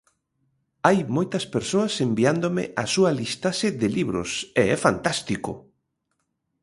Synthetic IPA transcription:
ajmojt̪ɐspeɾsoɐsembiand̪omɪ̰ʔasuɐlist̪asɪðɪliβɾʊ̰seɛfant̪ast̪ikʊ̰

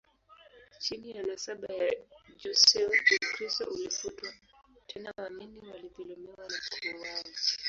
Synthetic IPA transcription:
t͡ʃinijanasaɓajad͡ʒɔsɛkɾistɔ̰ʔulifutwa | tʰɛnawaminiwalipilɔmɛwanakuɔwaji

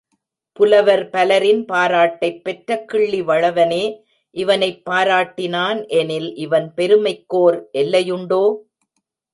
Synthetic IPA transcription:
pʊlɐʋɐɾpɐlɐɾɪnpaːɾaːʈːɐɪpːɛʈɾɐkːɪɭːiʋɐɻɐʋɐneː | ʔɪʋɐnɐɪpːaːɾaːʈːɪnaːnʔɛnɪlʔɪʋɐnpɛɾɯmɐɪkːoːɾʔɛlːɐjɯɳɖoː

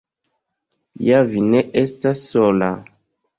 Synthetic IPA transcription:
javineʔestasːola

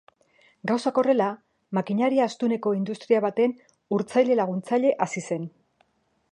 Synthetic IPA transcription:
ɡawsako̞re̞la | makiɲaɾiaːst̪une̞ko̞ind̪ust̪ɾiaβat̪e̞n | uɾt͡sajle̞laɣ̞unt͡saʎe̞ʔasise̞n

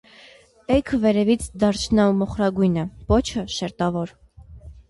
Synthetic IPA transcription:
ɛjkʰvɛɾɛvit͡sʰd̪ɑɾt͡ʃʰnɑumɔχɾɑɡujnəpɔt͡ʃʰəʃɛɾt̪ɑvɔɾ

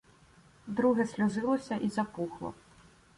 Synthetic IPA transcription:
d̪ɾuɣɛsʲlʲuzɨlˠɐsʲɐʔizapuxlˠɐ̰

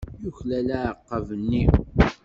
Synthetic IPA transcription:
juçlælæʕəqːəvənːi

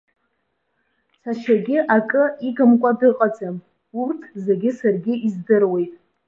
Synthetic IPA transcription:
saʃʰaɡʲɪʔakʼɨiɡɨmkʷʼadɨqʼad͡zʼam | urtʰze̞ɡʲɪsarɡʲɪizdɨrwe̞jtʼ

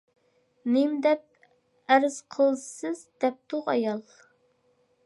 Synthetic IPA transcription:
nɪmd̪ɛp̚ | æɾz̥qʰəlˠsɨzd̪ɛp̚t̪ʰʊʁɑ̰jɑlˠ

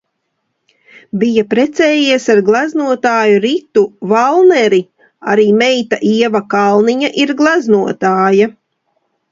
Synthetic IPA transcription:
bijapɾɛt̪sɛːjiɛsaɾɡlˠaznuɔt̪aːjuɾit̪uvalˠnɛɾi | aɾiːmɛjt̪aʔiɛvakalˠniɲaʔiɾɡlˠaznuɔt̪aːja

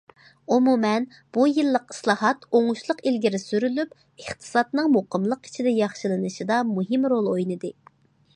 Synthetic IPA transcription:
umumɛn | b̥ujɨlˠːəqi̥slˠɑːɦɑt̪oŋuʃlˠəqilɡʲiɾɪsyɾylyp | əχt̪ʰɨ̥sɑt̪nɨŋmoqʰəmlˠəqi̥t͡ʃʰid̪ɛjɑχʃɨlˠɨnɨʃid̪ɑmuɦɨmɾolˠojnɨd̪ɨ

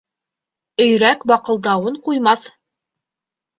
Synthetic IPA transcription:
ɵ̆jɾækbɑqɤ̆lˠd̪ɑwɤɴqujmɑθ

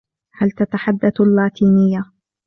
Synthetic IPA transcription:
halt̪at̪aħad̪ːalːaːt̪iːnɪjːa

